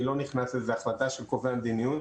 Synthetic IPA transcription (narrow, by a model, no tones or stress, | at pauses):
lo̞niχnasezeaχlad̪aʃelko̞veamd̪inijun